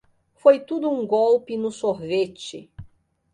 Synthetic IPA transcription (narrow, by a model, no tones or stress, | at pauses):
fojt̪ud̪ʊũɡowpɪnʊsohvet͡ʃɪ̰